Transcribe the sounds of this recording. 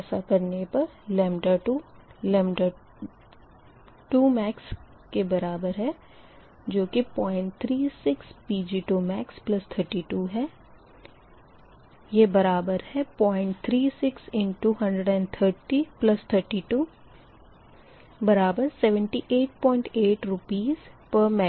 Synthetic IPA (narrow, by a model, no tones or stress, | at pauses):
ɛːsakɐɾnepɐɾlɛːmɪʈaʈulɛmʈa | ʈuːmɛːks | kebɐɾaːbəɾɦɛ | d͡ʒoːkipɔːɪ̃ɳʈ̚t̪ʰɾiːsɪkspiːd͡ʒiːʈumɛːksplɐst̪ʰəɾʈiːʈuːɦɛː | jebɐɾaːbəɾhɛpɔːɪ̃ɳʈ̚t̪ʰɾiːsɪksɪ̃ɳʈːuːɦɐ̃ɳɖɾəɖɛ̃ɳɖt̪ʰəɾʈiplɐst̪ʰəɾʈiːʈuː | bɐɾaːbəɾsɛːʋə̃ɳʈiʔeːʈ̚pɔ̃ːɪ̃ɳʈeːʈɾʊpiːzpəɾmɛ